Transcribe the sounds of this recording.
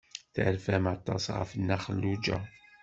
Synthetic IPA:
θəɾfæmat̪ˤːɑ̰sʁə̰fənːæχəlːud͡ʒæ̰

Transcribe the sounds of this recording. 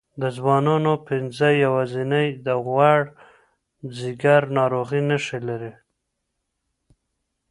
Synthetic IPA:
d̪əzwɑnɑnopɪnzəjawazinəjd̪əɣwaɽ | ziɡaɾnɑɾoɣinəʃilaɾi

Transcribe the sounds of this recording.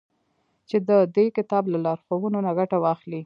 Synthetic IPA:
t͡ʃed̪əd̪ekɪt̪ɑblalɑɾxowunonaɡaʈawɑxli

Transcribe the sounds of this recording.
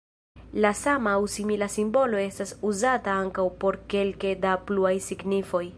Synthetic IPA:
lasamawsimilasimbo̞lo̞e̞stasuzataaŋkawpo̞ɾke̞lke̞dapluajsiɡnifo̞j

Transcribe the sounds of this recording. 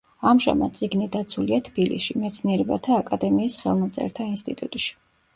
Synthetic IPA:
amʒa̰mad̪t̪sʼiɡnid̪at̪sʰuliat̪ʰb̥ilḭsʃimɛt̪sʰniɛɾɛbat̪ʰaːkʼad̪ɛmiːsχɛ̰lˠmat̪sʼɛ̰ɾt̪ʰainst̪ʼit̪ʼṵt̪ʼʃi̥

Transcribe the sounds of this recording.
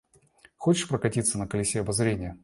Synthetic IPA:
xot͡ɕɪ̥ʂpɾəkɐtʲit̪sənəkəlʲɪsʲeɐbɐzɾʲenʲɪjə

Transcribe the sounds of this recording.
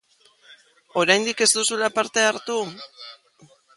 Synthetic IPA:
o̞ɾajnd̪ike̞zd̪usulapaɾt̪e̞aɾt̪u

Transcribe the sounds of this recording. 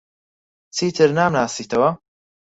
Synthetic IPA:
t͡sʰiːt̪ʰɨɾnaːmnaːsiːt̪ʰɐwɐ

